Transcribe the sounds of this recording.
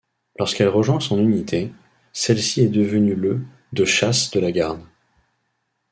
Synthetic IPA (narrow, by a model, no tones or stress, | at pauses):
lɔʁskɛlʁəʒwɛ̃sɔ̃nynit̪ʰe | sɛlsiɛd̪əvənylə | d̪əʃasd̪əlaɡaʁn